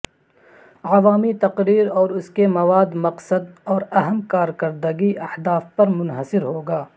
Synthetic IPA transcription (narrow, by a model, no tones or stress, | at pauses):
ɐʋaːmit̪ɐqɾiːɾɔːɾʊskemɐʋaːd̪mɐqsəd̪ɔːɾɐɦəmkaːɾkɐɾd̪əɡiʔɐhd̪aːfpɐɾmʊnɦəsɪɾɦoːɡaː